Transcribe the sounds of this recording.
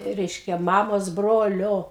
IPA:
ˈrʲɛɪʃʲkʲɛ ˈmɑːmoːs ˈbroːlʲoː

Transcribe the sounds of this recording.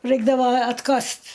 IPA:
ˈrɐɪɡdɐʋoː ɐtˈkɐst

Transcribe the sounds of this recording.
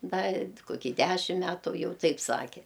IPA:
ˈdɐ ɪ koːˈkʲiː ˈdʲæʃʲɪm ˈmʲætʊ ˈjɛʊ ˈtɐɪp ˈsɑːkʲɛ

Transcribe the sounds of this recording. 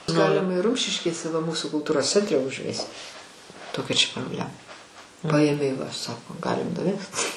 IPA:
ˈɡɑːlʲɪmɐ ɪr ˈrʊmʲʃʲɪʃʲkʲeːsʲɛ ʋɐ ˈmuːsʊ kʊlˠˈtuːroːs ˈt͡sʲɛnʲtʲrʲɛ ʊʒʲˈʋʲæːsʲʊ ˈtoːkʲɛ t͡ʃʲɛ proːbʲˈlʲæːmɐ ˈpɐeːmʲɛɪ ʋɐ ˈsɑːkoː ˈɡɑːlʲɪm nʊˈʋʲɛst

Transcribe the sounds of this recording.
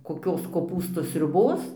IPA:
koːˈkʲoːs koːˈpuːstuː sʲrʲʊˈboːs

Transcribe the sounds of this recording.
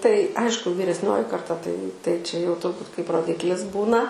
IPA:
tɐɪ ˈɐɪʃkʊ ʋʲiːrʲɛsʲˈnʲoːjɪ kɐrˈtɐ tɐɪ tɐɪ t͡ʃʲɛ jɛʊ tʊrˈbuːt kɐɪp roːˈdʲɪklʲɪs ˈbuːnɐ

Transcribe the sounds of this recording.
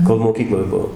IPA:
koːlˠ moːˈkʲiːklˠoːj ˈbuɔ

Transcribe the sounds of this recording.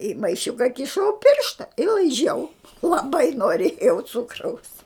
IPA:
ɪ mɐɪˈʃʲʊkɐ kʲɪˈʃɐʊ ˈpʲɪrʃtɐ ɪ lˠɐɪˈʒʲɛʊ lˠɐˈbɐɪ noːˈrʲeːjɛʊ ˈt͡sʊkrɐʊs

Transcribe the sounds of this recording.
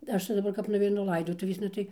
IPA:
ˈɐʃ tɐɪ dɐˈbɐr kɐp nʊʋʲɛɪˈnʊ ˈlˠɐɪdoːtʊʋʲeːsnɐ ˈtɐɪ

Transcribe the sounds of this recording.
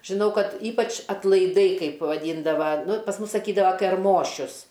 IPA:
ʒʲɪˈnɐʊ ˈkɐt ˈiːpɐt͡ʃ ɐtlˠɐɪˈdɐɪ ˈkɐɪp ʋɐˈdʲiːndɐʋɐ ˈnʊ pɐs ˈmʊs sɐˈkʲiːdɐʋoː kʲɛrˈmoːʃʲʊs

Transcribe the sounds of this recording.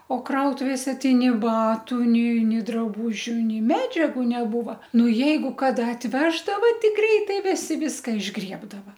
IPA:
oː ˈkrɐʊtʊʋʲeːsʲɛ ˈtɐɪ nʲɪ ˈbɑːtʊ nʲɪ ˈnʲeː drɐˈbʊʒʲʊ ˈnʲɛɪ ˈmʲæːd͡ʒʲɛɡʊ nʲɛˈbuːʋɐ ˈnʊ ˈjɛɪɡʊ ˈkɑːdɐ ɐtʲˈʋʲæːʒdɐʋɐ ˈtɐɪ ˈɡrʲɛɪtɐɪ ˈʋʲɪsʲɪ ˈʋʲɪskɐ ɪʒˈɡrʲiɛbdɐʋɐ

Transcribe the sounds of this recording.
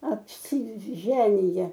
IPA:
ɐpʲsʲɪˈʒʲæːnʲɪjɛ

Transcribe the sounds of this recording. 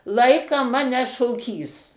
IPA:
ˈlˠɐɪkɑː ˈmɑːnʲɛ ʃoːˈkʲiːs

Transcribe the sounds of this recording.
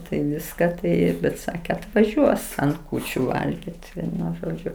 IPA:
tɐɪ ˈʋʲɪskɐ ˈtɐɪ bʲɛt ˈsɑːkʲɛ ɐtʋɐˈʒʲuɔs ɐnt ˈkuːt͡ʃʲʊ ˈʋɐlʲɡʲɪt ˈʋʲiɛnʊ ˈʒoːd͡ʒʲʊ

